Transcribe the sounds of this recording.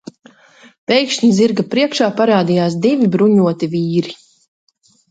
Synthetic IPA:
pɛjkʃɲiziɾɡapɾiɛkʃaːpaɾaːd̪ijaːsd̪ivibɾuɲuɔt̪iviːɾi

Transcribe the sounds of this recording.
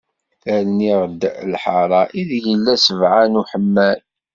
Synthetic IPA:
ælniʁd̪lħɑɾˤɑʔiðjəlːæsəvʕanuħəmːæl

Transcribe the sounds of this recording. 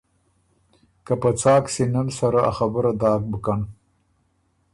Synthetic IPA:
kapət͡sɑːksenənsaɾaa̰xabəɾad̪ɑːk̚bəkan

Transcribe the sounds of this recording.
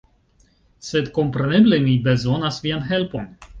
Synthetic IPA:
sed̪ko̞mpɾeneblemibezo̞nasvianɦelpo̞n

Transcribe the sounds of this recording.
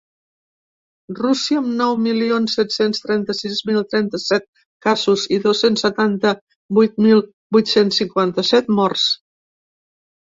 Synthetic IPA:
rusiəəmnɔwmilionsːɛt̪senst̪ɾɛnt̪əsizmilˠt̪ɾɛnt̪əsɛt̪̚ | kazuziðosensːət̪ant̪ə | bujt̪̚milˠ | bujt̪sensːiŋkwant̪əsɛt̪mɔrs

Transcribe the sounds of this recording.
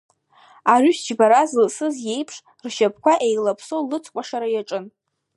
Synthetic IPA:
aryʃd͡ʒbaɾazɨsɨzje̞jpʰʂ | rʃap̚ʰʼkʷaʔejlapʰsowlɨt͡sʰkʷʼaʂaɾajaʈ͡ʂʼɨn

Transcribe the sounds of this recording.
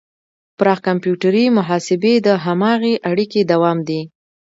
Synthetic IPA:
pɾɑɣkampjuʈaɾimʊɦɑsɪbed̪əɦamɑɣeʔaɽiked̪awɑmd̪i

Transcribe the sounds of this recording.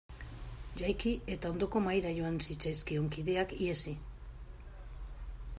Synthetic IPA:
ʝajkie̞t̪ao̞nd̪o̞ko̞majɾaʝo̞ansit͡sajskeo̞ŋkiðe̞akie̞si

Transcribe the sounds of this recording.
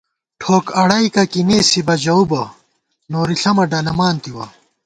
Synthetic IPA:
ʈʰoːkɐɽɐikɐkineːsibɐd͡ʑɐubɐ | noːɾiɬɐmɐɖɐnɐmaːnt̪iwɐ

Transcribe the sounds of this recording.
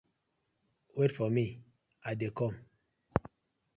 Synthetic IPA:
wetfɔmi | adekɔm

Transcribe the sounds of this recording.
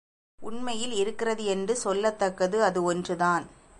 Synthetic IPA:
ʔʊɳmɐjɪlɪɾɯkːɪrɐðɯɛndrɯsɔlːɐt̪ːɐkːɐðɯɐðɯɔndrɯðaːn

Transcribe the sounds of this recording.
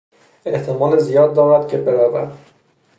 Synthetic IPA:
e̞ht̪ʰemɒːlezijɒːd̪ːɒːɾæd̪̚cʰebeɾævæd̪

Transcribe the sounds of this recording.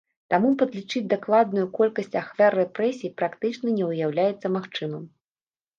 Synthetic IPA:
t̪amupɐd̪lʲit͡ʂɨd͡zʲd̪aklˠad̪nujukɔlʲkɐsʲt͡sʲaxvʲarːɛpɾɛsʲijpɾakt̪ɨt͡ʂnɐnʲɛwjawlʲajɛt̪sːɐmaxt͡ʂɨmɐm

